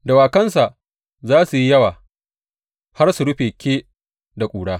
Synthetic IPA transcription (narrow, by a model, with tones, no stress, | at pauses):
da˨waː˨kɐ˦ns̬a˨ʔ | zaː˦su˨ji˦jɐ˦waː˨ | ha˦rsu˨ɽʊ˦ɸeː˨kʲʰeː˦ | da˨kʷʼuː˨ɽaː˦